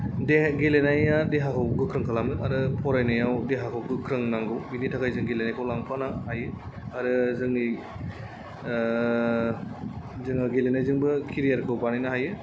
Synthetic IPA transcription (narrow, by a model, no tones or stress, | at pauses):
deɡelenajadeɦakʰawɡɯkʰɾɯŋkʰalamɯaɾɯpʰɔɾajnajawdeɦakʰawɡɯkʰɾɯŋnaŋɡɯwbinitʰakʰajzɯŋɡelenajkʰawlaŋpʰanahajɯ | aɾɯzɯŋni | zɯŋaɡelenajzɯŋbɯkʰiɾijaɾkʰɯwbanajnaɦajɯ